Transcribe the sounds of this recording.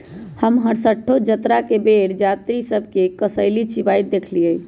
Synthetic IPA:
həmɦəɽsəʈʰːod͡ʒət̪ɾakebeɽd͡ʒat̪ɾisəbʱkekəsəɪlit͡ʃibajt̪̚d̪ekʰliəi

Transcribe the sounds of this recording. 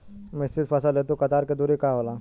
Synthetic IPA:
mɪst̪ɪt̪pʰɐsəlet̪̬ukɐt̪aːɾked̪uːɾikaɦoːla

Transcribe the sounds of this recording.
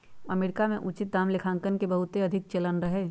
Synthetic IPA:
ɐmeːɾɪkamẽʔut͡ʃɪt̪̚d̪aːmlɪkʰãːŋkənkebəɦʊt̪eɐd̪ʱɪk̚t͡ʃɐlənɾəɦeː

